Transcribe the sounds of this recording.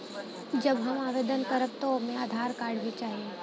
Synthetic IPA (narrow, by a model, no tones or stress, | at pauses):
d͡ʒɐbɦɐmaːʋeːd̪ənkəɾəb̚t̪omẽaːd̪ʱaːɾkaːɾɖbit͡ʃaːɦiẽ